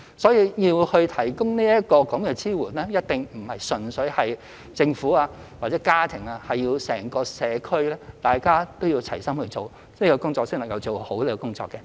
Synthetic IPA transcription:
sɔː˨˥jiː˧jiː˧whɵ˧ɥt̪ʰɐ˨˩jkʊ˥ŋniː˥jɐ˥t̚kɔː˧kɐ˨˥mkɛ˧t͡sʰiː˥wuː˨˩nlɛː˥jɐ˥t̚t̪ɪ˨ŋm̩˨˩hɐ˨jsɵ˨nsɵ˨˥ɥhɐ˨j | t͡sɪ˧ŋfuː˨˥aː˧ | waː˨˩t͡sɛː˨˥kaː˥t̪ʰɪ˨˩ŋaː˧hɐ˨jjiː˧wsɛ̰ː˨˩ŋkɔː˧sɛː˨˧kʰɵ˥ɥlɛː˥t̪aː˨jkaː˥t̪o˥wjiː˧wt͡sʰɐ̰˨˩jsɐ˥mhɵ˧jt͡so˨w | iː˥kɔ˧kʊ˥ŋt͡sɔː˧k̚sɪ˥ŋlɐ˨˩ŋkɐ˧wt͡so˨who˨˥wle˥kɔ˧kʊ˥ŋt͡sɔ̰ː˧kːɛ˧

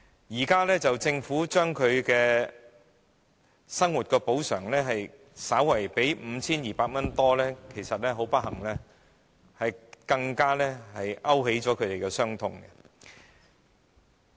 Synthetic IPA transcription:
jiː˨˩kaː˥lɛː˥t͡sɐ˨wt͡sɪ˧ŋfuː˨˥t͡ʃœː˥ŋkʰɵ˨˧ɥkɛː˧ | sɐ˥ŋwu˨t̚kɛː˧po˨˥wsœ̰ː˨˩ŋlɛː˥ɦɐ˨j | saː˨˥wwɐ˨˩jpe˨˥jm̩˨˧˦t͡sʰiː˥njiː˨paː˧k̚mɐ˥nt̪ɔː˥lɛː˥kʰe˨˩jsɐ˨t̚lɛ˥ɦo˨˥wpɐ˥t̚hɐ˨˩ŋlɛː˥ | hɐ˨jkɐ˧ŋkaː˥lɛː˥hɐ˨jʔɐ˥whe˨˥jt͡sɔː˨˥kʰɵ˨˧ɥt̪e˨˩jkɛː˧sœː˥ŋt̪ʰʊ˧˥ŋɡɛ̰˧

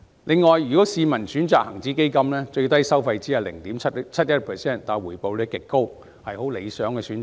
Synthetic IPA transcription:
lɪ˨ŋːɔː˨jɥyː˨kɔː˨˥siː˧mɐ˨˩nsyː˨˥nt͡saː˨k̚hɐ˨˩ŋt͡siː˨˥ke˥jkɐ˥mlɛː˥t͡ʃɵ˧ɥt̪ɐ˥jsɐ˥wfɐ˧jt͡siː˨˥jɐ˨˩lɪ˨˩ŋt̪iː˨˥mʰɐ˥t̚t͡sʰɐ˥t̚jɐ˥t̚pʰɛː˨˩sɛː˥˩nt̪aː˨˩jwuː˨˩jpo˨wle˨˧jkɪ˨kːo˥w | hɐ˨jho˨˥wle˨˧jsœː˨˥ŋkɛː˧syː˨˥nt͡saː˩

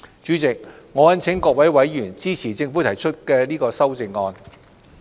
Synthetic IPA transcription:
t͡ʃyː˨˥t͡sɪ˨k̚ŋɔː˨˧jɐ˥nt͡sʰɪ˨˥ŋkɔː˧k̚wɐ˨˥jwɐ˨˥jːyː˨˩nt͡siː˥t͡sʰiː˨˩t͡sɪ˧ŋfu˨˥t̪ʰɐ˨˩jt͡ʃʰɵ˥t̚kɛː˧liː˥kɔː˧sɐ˥wt͡sɪ˧ŋːɔː˧n

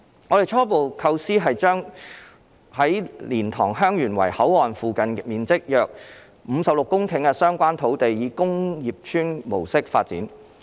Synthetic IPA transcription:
ŋɔ˨˧ɾe˨jt͡ʃʰɔː˥po˨wkʰɐ˧wsiː˥ɦɐ˨jt͡ʃœː˥ŋ | hɐ˨˥jliː˨˩nt̪ʰɔː˨˩ŋɦœː˥ŋjyː˨˩nwɐ̰˨˩jhɐ˨˥wɔː˨nfuː˨kɐ˨nmiː˨nt͡sɪ˥k̚jœː˨k̚ | m̩ː˨˧sɐ˨p̚lʊ˨kːʊ˥ŋkʰɪ˨˥ŋkɛ˧sœː˥ŋkʷaː˥nt̪ʰo˨˥wt̪e˨jjiː˨˧kʊ˥ŋjiː˨p̚t͡ʃʰyː˥nmo̰˨˩wsɪ˥k̚fa̰ː˧t̚t͡sḭː˨˥n

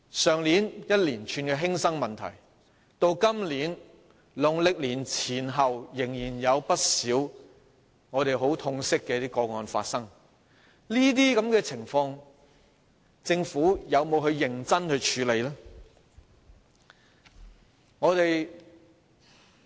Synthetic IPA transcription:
sœː˨ŋliː˨˥njɐ˥t̚liː˨˩nt͡ʃʰyː˧nkɛː˧ɦɪ˥ŋsɐ˥ŋmɐ˨nt̪ʰɐ̰˨˩j | t̪o˧wkɐ˥mliː˨˥n | lʊ˨ŋlɪ˨k̚liː˨˩nt͡sʰiː˨˩nɦɐ˨wjɪ˨˩ŋjiː˨˩njɐ˨˧wpɐ˥t̚siː˨˥w | ŋɔː˨˧t̪e˨jɦo˨˥wt̪ʰʊ˧ŋsɪ˥kːɛː˧t̪iː˥kɔː˧ŋɔː˧nfa̰ː˧t̚sɐ˥ŋ | liː˥t̪̬iː˥kɐ˨˥mkɛː˧t͡sʰɪ˨˩ŋfɔː˧ŋ | t͡sɪ˧ŋfuː˨˥jɐ˨˧wmo˨˧wɦɵ˧ɥjɪ˨˩ŋt͡sɐ˥nhɵ˧ɥt͡ʃʰyː˨˧˥le˨˧jlɛː˥ | ŋɔː˨˧t̪e˨j

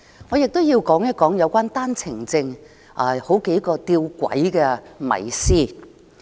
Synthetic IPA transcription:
ŋɔː˨˧jɪ˨k̚t̪o˥wjiː˧wkɔː˨˥ŋjɐ˥kɔː˨˥ŋjɐ˨˧wkʷaː˥nt̪aː˥nt͡sʰɪ˨˩ŋt͡sɪ˧ŋ | ʔɐ˨˩ho˨˥wke˨˥jkɔː˧t̪iː˧wkʷɐ̰˨˥jkɛː˧mɐ̰˨˩jsiː˥˩

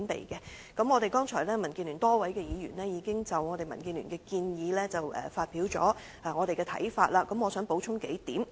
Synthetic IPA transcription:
npḛ˨jkɛ˧ | kɐ˨˧˥mŋɔː˨˧ɾe˨jkɔː˥ŋt͡ʃʰɔ̰ː˨˩jlɛː˥mɐ˨˩nki˧nlyː˨˩nt̪ɔː˥wɐ˨˥jkɛː˧jiː˨˧jyː˨˩nlɛː˥jiː˨˧kɪ˥ŋt͡sɐ˨wŋɔː˨˧t̪e˨jmɐ˨˩nkiː˧nly̰ː˨˩ŋkɛː˧kiː˧njiː˨˧lɛː˥t͡sɐ˨wɛ̰ː˨faː˧t̚pi˨˥wt͡sɔ̰ː˨˥ | ʔaː˨˩ŋɔː˨˧ɾe˨jkɛː˧t̪ʰɐ̰˨˥jfaː˧t̚laː˧kɐ˨˥mŋɔː˨˧sœ˨˥ŋpo˨˥wt͡ʃʰʊ˥ŋke˨˥jt̪iː˨˥m

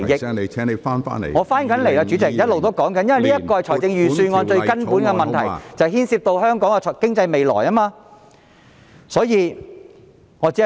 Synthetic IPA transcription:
jɪ˧˨˧ɛː˨˥ŋne˨˧fa̰ː˥nfa̰ː˥nḛ˨˩ŋɔː˨˧faː˥nkɐ˨˥nle˨˩jlaː˧t͡ʃyː˨˥t͡sɪ˨k̚jɐ˥t̚lo˨wt̪o˥wkɔː˨˥ŋkɐ˨˦njɐ˥nwɐ˨jniː˥ɐ˥t̚kɔː˧hjt͡sʰɔː˨˩jt͡sɪ˧ŋjyː˨˩syː˧nŋɔː˨˧nt͡ʃɵ˧ɥkɐ˥npuː˨˥nkɛ˧mɐ˨nt̪ʰɐ̰˨˩jt͡sɐ˨whiː˥nsiː˧p̚t̪o˧whœː˥ŋkɔː˨˥ŋɛ˧˨kɪ˥ŋt͡sɐ˧jme˨jlɔ̰ː˨˩jɐː˥maː˧ | sɔː˨˥jiː˨˧ | ŋɔː˨˧t͡si˨˥

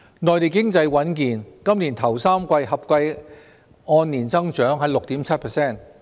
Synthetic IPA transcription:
nɔː˨jt̪e˨jkɪ˥ŋt͡sɐ˧jwɐ˨˥nkiː˨nkɐ˥mliː˨˩nt̪ʰɐ˨˩wsaː˥mkʷɐ˧jɦɐ˨p̚kʷɐ˧j | ɔː˧nːiː˨˩nt͡sɐ˥ŋt͡ʃœː˨˥ŋɦɐ˨˥jlʊ˨k̚t̪iː˨˥mt͡sʰɐ˥t̚pʰɛː˨˩sɛː˥˩n

